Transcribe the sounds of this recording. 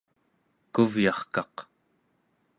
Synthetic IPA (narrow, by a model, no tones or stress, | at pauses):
kuvjɑχkɑq